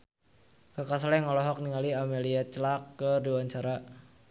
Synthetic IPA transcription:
kakaslɛŋɔlɔɦɔk̚niŋaliameliat͡ʃəlakːədiwaɲt͡ʃaɾa

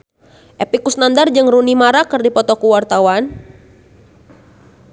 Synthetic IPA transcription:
ʔɛpikusnandard͡ʒəŋrunimaɾakɨrdipɔt̪ɔkuwart̪awan

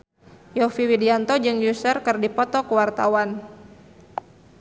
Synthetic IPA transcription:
jɔfiwidiant̪ɔd͡ʒɨŋjusərkɨrdipɔt̪ɔkuwart̪awan

